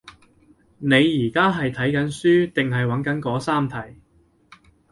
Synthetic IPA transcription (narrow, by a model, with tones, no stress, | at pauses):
ne˨˧jːiː˨˩kaː˥ɦɐ˨jt̪ʰɐ˨˥jkɐ˨˥nsyː˥t̪ɪ˨ŋɦɐ˨jwɐ˨˥nkɐ˨˥nkɔː˨˥saː˥mt̪ʰɐ˨˩j